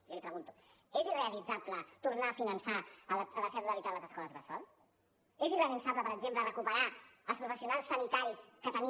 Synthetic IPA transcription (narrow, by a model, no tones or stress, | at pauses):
lipɾəɣunt̪u̥ | ezireəlid͡zaplət̪uɾnaːfinənsaələləsɛəɾuðəlit̪ad̪ləzəskɔləzβəsɔl | ezirelənsapləpəɾəɡzemplərəkupəɾaəlˠspɾufəsiunalˠsːənit̪aɾiskət̪əni